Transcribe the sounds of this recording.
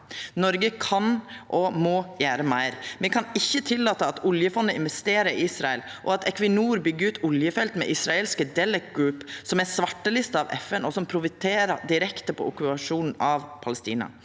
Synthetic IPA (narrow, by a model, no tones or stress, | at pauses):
nɔɾɡəkʰɑnʔɔmɔːjæːɾəmæɪɾmɛkʰɑnɪçːət̪ʰɪlːɑːt̪əɑt̪ʊljəfɔnːəɪ̰nʋɛst̪eːɾəɾɪisɾɑɛlʔɔɑt̪ʰɛkʋɪnuːɾbʏɡːəɾʉːt̪ʊljəfɛlt̪mɛ̰ʔɪsɾɑeːlskəd̪ɛlək̚ɡɾʉːpsɔmæsʋɑʈːəlɪst̪əɑʋɛfɛnɔsɔmpʰɾʊfɪt̪ʰeːɾəɖ̪ɪɾɛkt̪əpʰɔ̰ʔʊkʉpɑʂuːnn̩ɑʋpʰɑləst̪iːnɑ̰